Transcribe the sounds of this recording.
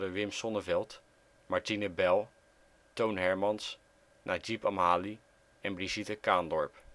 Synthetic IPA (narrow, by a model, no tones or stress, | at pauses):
dəʋɪmsɔnəvɛlˠt | maɹtinəbɛlˠ | townɦɛɹmɑns | nʔaːd͡ʒipɑmɦaːli | ɛnbrizitəkaːndɔɹp